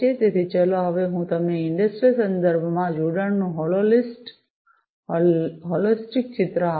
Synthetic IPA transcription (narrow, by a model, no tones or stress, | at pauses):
et̪et̪ʰit͡ʃəloɦɐʋeɦũt̪əmneɪɳɖəsʈɾisənd̪əɾbʱəmãd͡ʒuɽaɳnũɦololisʈ | ɦɔlisʈik̚t͡ʃɪt̪ɾəa